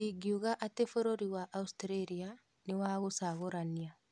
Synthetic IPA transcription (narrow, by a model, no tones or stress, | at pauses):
iɡiuɣaʔatefoɾoɾiwaʔaustɾeɾia | newaːɣosaɣoɾania